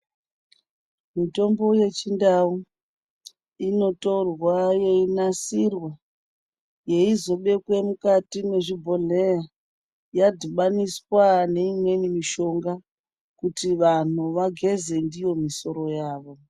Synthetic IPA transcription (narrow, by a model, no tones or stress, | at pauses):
mito̞mbo̞je̞t͡ʃindau | ino̞to̞rwaje̞inasirwa | je̞izo̞ɓe̞kwe̞mukatine̞ʐibʱo̞ɮeja | jadʱiɓaniswane̞imwe̞nimiʃo̞ŋɡa | kutiʋan̤uʋaɡʱe̞ze̞ndijo̞miso̞ɾo̞jaːʋo̞